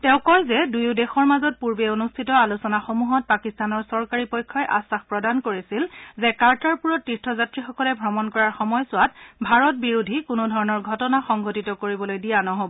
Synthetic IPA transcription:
tɛʊ̃kɔɹzɛdujʊdexɔɹmazɔt̚puɹbeonustʰitɔalusɔnaxomuɦɔt̚pakistanɔɹsɔɹkaɹipɔjkʰːɔjʔa̰saxpɹɔdankoɹisilzɛkaɹtaɹpuɹɔtːiɹtʰɔzatɹixɔkɔlɛbʱɹɔmɔnkɔɹaɹxɔmɔjsʊwatbʱaɹɔt̚biɹudʱikʊnʊdʱɔɹɔnɔɹɡʱɔtɔnaxɔŋɡotitɔkoɹibɔlojdijanɔɦobɔ

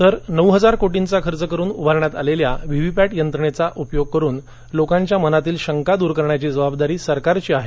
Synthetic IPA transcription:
t̪əɾnəwɦəd͡zaɾkoʈint͡sakʰəɾt͡səkəɾuːnubʱaɾɳat̪aleljaʋiʋipæʈjənt̪ɾəɳet͡saʔupjoɡ̚kəɾuːn | lokãɲt͡ɕjamənat̪iːlɕəŋkad̪uːɾkəɾɳjat͡ɕid͡zəbabd̪aɾiːsəɾkaɾt͡ɕiaɦe

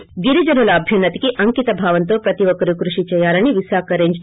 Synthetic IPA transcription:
ɡiɾid͡ʒɐnulɐːbʱjɐnːɐt̪ikeʔɐŋkit̪ɐbʱaːʋɐnt̪oːpɾɐt̪iʋɐkɐɾukɾuʂit͡ʃɛjaːɾɐɳiʋisaːkɐɾeːɲd͡ʒ

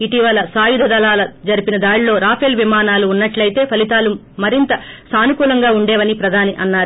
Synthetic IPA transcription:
iʈiʋɐlɐsaːjud̪ʱɐd̪ɐlaːlɐd͡ʒɐɾipinɐd̪aːɽilo̞ːɾaːpʰelʋimaːnaːluːnːɐʈlɐjt̪e̞ːpʰɐlit̪aːlu | mɐɾint̪ɐsaːnukuːlɐŋɡaːuɳɖɛːʋɐnipɾɐd̪ʱaːniʔɐnːaːɾu

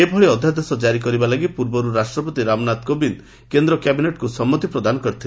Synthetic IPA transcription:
ebʱɔɭeɔd̪ʱjad̪esɔd͡ʒaɾik̬ɔɾibalaɡipuɾbɔɾuɾasʈɾɔpɔt̪iɾamnat̪kobin | kend̪ɾɔkjabineʈkusɔmːɔt̪ipɾɔd̪anɔkɔɾit̪ʰil

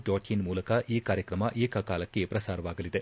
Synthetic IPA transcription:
d͡ʒoːʈʰinmuːlɐkɐʔiːkaːɾjɐkɾɐmɐʔiːkɐkaːlɐkːe̞pɾɐsaːɾɐʋaːɡɐlid̪e̞

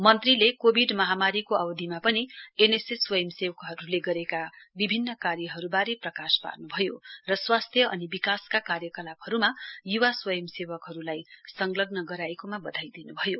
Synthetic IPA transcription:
mʌnt̪rilekobʱiɖmʌɦamaɾikoabd̪ʱimapʌnieneseswʌjʌmsewkɦʌɾuleɡʌɾekabibʱinːʌkarjʌɦʌɾubaɾeprʌkaspa̰rnubʱʌjorʌswast̪ʰjʌʔʌnibikaskakarjʌkʌlabhʌɾumajuwaswʌjʌmsewʌkɦʌɾulajsʌŋlʌɡnʌɡʌɾaekomabʌd̪ʱajd̪inubʱʌjo

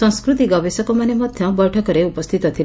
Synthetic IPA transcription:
ɔ̃ŋskɾut̪iɡɔbesɔkɔmanemɔd̪ʱjɔbɔjʈʰɔkɔɾeupɔst̪ʰit̪ɔt̪ʰil

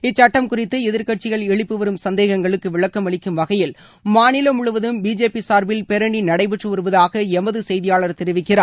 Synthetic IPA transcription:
ɪt͡ʃːɐʈːɐmkʊrɪt̪ːɯɛðɪɾkɐʈ̚t͡ʃːɪɣɐɭɛɭɪpːɯʋɐɾɯmsɐnd̪eːɣɐŋɡɐɭɯkːɯʋɪɭɐkːɐmɐɭɪkːɯmʋɐɣɐjɪl | maːnɪlɐmʊɭʊʋɐðɯmbiːd͡ʒeːpisaːɾbɪlpɛɾɐɳinɐɽɐɪpɛʈrɯɔɾɯʋɐðaːɣɐɛmɐðɯsɛjðɪjaːɭɐɾt̪ɛɾɯʋɪkːɪraː

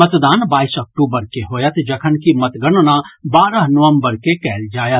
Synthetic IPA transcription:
ət̪d̪aːnbaːisɐk̚ʈuːbəɾkeɦoːjət̪d͡ʒɐkʰənkimɐt̪ɡənnabaːɾəɦnʊʋəmbəɾkekɛːld͡ʒaːjət̪

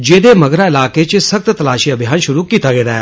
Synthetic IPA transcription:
d͡ʒeːd̪emɐɡɾaɪlaːket͡ʃsɐkt̪t̪ɐlaːʃiɐbʱjaːnʃʊɾukiːt̪aɡeːɾɐɛː

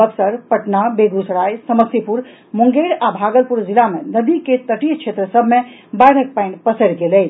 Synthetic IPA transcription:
bəksəɾpəʈnabeɡɾusɾajsəməsipuɾ | muŋɡeɾabʱaɡəlpuɾd͡ʒilamenəd̪iket̪əʈijt͡ʃʰet̪ɾəsəbʱme | baɽ̤ʱək̚paɪnpəsəɽɡelɛ

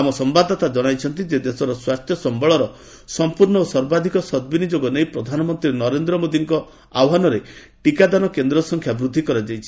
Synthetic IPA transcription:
amɔsɔmbad̪ʱɔt̪ad͡ʒɔɽ̃ajt͡ʃʰɔnt̪id͡ʒed̪esɔɾɔswast̪jɔsɔmbɔɭɔɾɔ | sɔmpuɾɳɔosɔɾbad̪ʱikɔsɔd̪̚binid͡ʒoɡɔnejpɾɔd̪ʱanɔmɔnt̪ɾinɔɾend̪ɾɔmod̪iŋkɔ | awɦanɔɾe | ʈikad̪anɔkend̪ɾɔsɔŋkʰjabɾud̪ʱːikɔɾad͡ʒajt͡ʃʰi̥

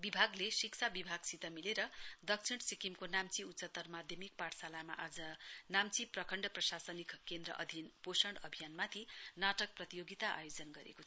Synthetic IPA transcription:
bibʱaɡlesikt͡sʰabibʱaɡsit̪ʌmileɾʌd̪ʌkt͡sʰiɽsikimkonamt͡siutt͡sʌt̪ːʌrmad̪ʱjʌmik̚paʈsalama̰ʔad͡zʌnamt͡siprʌkʰʌɳɖʌprʌsasʌnikkend̪rʌ̰ʔʌ̰d̪ʱinposʌɳɖʌbʱijanmat̪ʰinaʈʌk̚prʌt̪ijoɡit̪aʔa̰jod͡zʌnɡʌɾḛko

